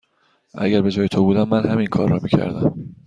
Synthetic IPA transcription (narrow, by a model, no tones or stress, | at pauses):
ʔæ̰ɟæɾbe̞d͡ʒɒːjet̪ʰobuːd̪æmːænhæminkʰɒːɾːɒ̰ːmiːcʰæ̰ɾd̪æm